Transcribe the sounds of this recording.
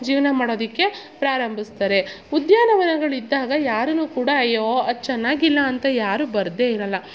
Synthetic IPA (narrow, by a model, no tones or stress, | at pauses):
d͡ʒiːʋɐnɐmaːɽo̞ːd̪ikːe̞pɾaːɾɐmbʱist̪ɐɾe̞ | ud̪jaːnɐʋɐnɐɡɐɭid̪ːaːɡɐjaːɾɐnuːkuːɽɐɐjoɐd̪t͡ʃɛnːaːɡilːɐːnt̪ɐjaːɾubɐɾd̪eiɾɐlːɐ